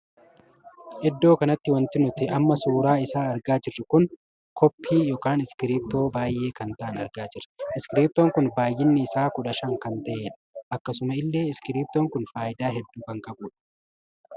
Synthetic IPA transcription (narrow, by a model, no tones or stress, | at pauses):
hɛd̪ːo̞ːkɐnɐt̪ːɪwɐnt̪ɪnʊt̪ɪɐmːɐsuːɾaːɪsaːɐɾɡaːd͡ʒɪrːɪkʊn | kʰɔpʰːiːjɔkaːnɪskɪɾiːp̚t̪o̞ːbaːjʔe̞ːkɐnt̪ɐʔɐnɐɾɡaːd͡ʒɪrɐ̥ɪskɪɾiːp̚t̪oːŋkʊnbaːjːɪnːɪːsaːkʊᶑɐʃɐŋkɐnt̪ɐʔeːᶑɐ̥ɐkːɐsʊmɐɪlːe̞ːɪskɪɾiːp̚t̪oːŋkʊnfaːʔɪd̪aːɦɛd̪ːuːkɐŋkɐbuːᶑɐ̥